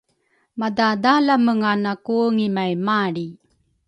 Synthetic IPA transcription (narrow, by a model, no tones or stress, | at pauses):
madadalaməŋanakuəŋimajmaɾi